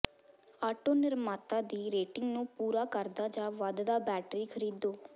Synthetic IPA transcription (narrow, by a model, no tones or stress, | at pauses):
aːʈoːnɪɾmaːt̪ãːd̪iːɾeːʈɪŋɡnũːpuːɾaːkəɾd̪aːd͡ʒaːʋad̪d̪aːbɛːʈɾiːkʰəɾiːd̪oː